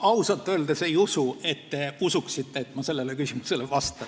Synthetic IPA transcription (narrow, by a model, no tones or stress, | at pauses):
ɑusɑlt̪ːˑø̞ːld̪̥esejusue̞t̪ːe̞usuksit̪ːeet̪ːˑmɑse̞lːelekysimuse̞levɑst̪e